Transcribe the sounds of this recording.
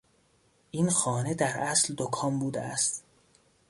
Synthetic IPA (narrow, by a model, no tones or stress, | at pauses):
ʔiːnxɒːned̪æɾʔæsld̪okʰɒːmbuːd̪ḛæ̰st̪